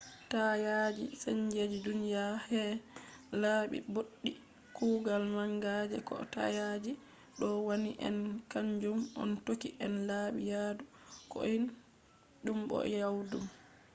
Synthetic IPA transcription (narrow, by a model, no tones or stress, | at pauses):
tajad͡ʒḭseɲd͡ʒed͡ʒidunijahɛ | laːɓḭboɗːi | kuːɡalmaŋɡad͡ʒɛkɔ̰ta̰jad͡ʒi | ɗɔwaniʔɛ̰nkaɲd͡ʒumɔntokiʔɛnlaːɓijaːdukɔ̰in | ɗumɓɔ̰jawdum